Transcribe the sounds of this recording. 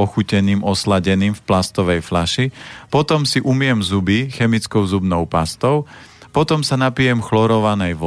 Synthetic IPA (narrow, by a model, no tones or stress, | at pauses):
ɔxucɛniːmɔslaɟɛniːmfplast̪ɔʋɛjflaʃipɔt̪ɔmsiʔumɪjɛmzubixɛmit͡skɔʊzubnɔʊpast̪ɔʊ | pɔt̪ɔmsanapijɛmxlɔɾɔʋanɛjʋɔ